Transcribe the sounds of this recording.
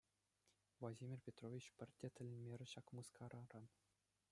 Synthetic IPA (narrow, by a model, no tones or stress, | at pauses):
vlˠɑdʲimʲirʲpʲet̪rovʲit͡ɕpʲɘ̆rʲtʲet̪ʲɘ̆lʲɘmʲerʲɘ̆ɕɑkmɯskʰɑɾɑɾɑn